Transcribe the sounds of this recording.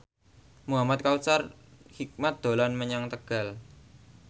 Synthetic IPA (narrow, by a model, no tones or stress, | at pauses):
muɦamat̪̚kaut͡ʃar | hik̚mat̪̚d̪̥o̤lanməɲaŋt̪əɡ̥a̤l